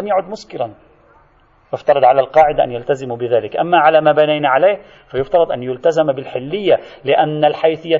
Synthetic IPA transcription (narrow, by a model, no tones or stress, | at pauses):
amjaʕʊd̪mʊskɪɾan | jɪft̪ɑɾˤɑd̪ˤʕalalqɑːʕɪd̪aʔa̰njalt̪azɪmubɪðaːlɪkʔamːaʕalamaːbanajnaʕaleːh | fajʊft̪ɑɾˤɑd̪ˤʔanjʊlt̪azambɪlħɪlːɪjːalɪʔanːalħajθɪjːa